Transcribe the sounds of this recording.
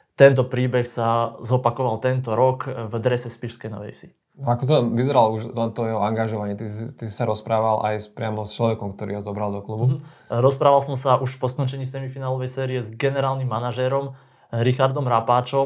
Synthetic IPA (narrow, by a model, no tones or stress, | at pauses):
t̪ɛnt̪̬ɔpɾiːbɛxsazɔpakɔʋalt̪ɛnt̪ɔɾɔkvd̪ɾɛsɛspiʃskɛjnɔ̰ʋɛ̰jsi | aakɔt̪ɔʋizɛɾaluʃant̪ɔjɛɦɔaŋɡaʒɔʋaɲɪɛt̪iit̪isi̥saɾɔspɾaːʋala̰jspɾɪamɔst͡ʃlɔʋɛkɔmkt̪ɔɾiːɦɔzɔbɾald̪ɔklubu | ɾɔspɾaːʋalsɔmsaʔuʃpɔskɔnt͡ʃɛɲiːsɛmifinaːlɔʋɛjsɛːɾiɛzɡɛnɛɾaːlnimːanaʒɛːɾɔm | ɾixaɾd̪ɔmɾapaːt͡ʃɔ